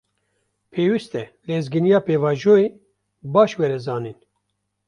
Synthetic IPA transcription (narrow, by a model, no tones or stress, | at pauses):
pʰeːwist̪ɛleːzɡɨnijɑːpeːvɑːʒoːeː | bɑːʃwɛɾɛzɑːniːn